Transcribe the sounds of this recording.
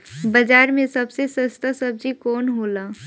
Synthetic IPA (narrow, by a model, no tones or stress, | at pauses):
bəd͡ʒaːɾmẽsɐbsesəst̪asəb̚d͡ʒikɔːnɦoːlaː